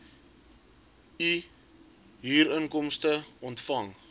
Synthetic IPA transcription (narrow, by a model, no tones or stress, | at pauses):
i | ɦiːɾənkɔmstəɔntfɐŋ